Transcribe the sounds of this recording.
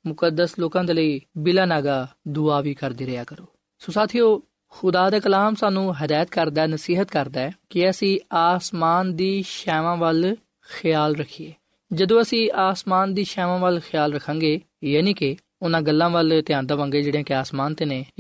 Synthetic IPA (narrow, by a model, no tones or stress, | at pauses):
mʊkəd̪əsloːkãːd̪eːləiːbɪlaːnaːɡaːd̪ʊaːʋiːkəɾd̪iːɾəjaːkəɾoː | soːsaːt̪ʰijoː | xʊd̪aːd̪eːkəlaːmsaːnũːɦəd̪aːjət̪kəɾd̪aːɛːnəsiːɦət̪kəɾd̪aːɛkɪəsĩːaːsmaːnd̪iːʃɛːʋãːʋəl | xʰɪjaːlɾəkʰieː | d͡ʒəd̪õːəsĩːʔaːsmaːnd̪iːʃɛːʋãːʋəlxʰɪjaːlɾəkʰːãːɡeː | jaːniːkɪ | ʊnãːɡəlːãːʋəlt̪ɪjãːnd̪aːʋãːŋɡeːd͡ʒeːɽjãːkɪaːsmaːnt̪eːneː